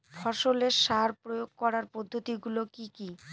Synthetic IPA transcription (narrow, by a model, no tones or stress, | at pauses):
fʰɔɾʃoleɾʃaɾpɾojoɡ̚kɔɾaɾpod̪ʱːot̪iɡulokiki